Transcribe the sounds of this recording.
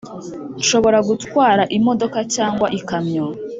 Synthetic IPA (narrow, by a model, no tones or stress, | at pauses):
nʃo̞βo̞ɾaɡutkwaːɾaʔimo̞do̞kacaːŋɡwaʔikamɲo